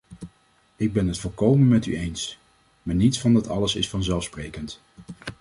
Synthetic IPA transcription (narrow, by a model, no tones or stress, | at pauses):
ɪɡ̚bɛnɦətfolˠkowmənmɛty̰ejns | maːɹnitsfɑndɑtɑ̰ləsɪsfɑnzɛlˠfsprejkənt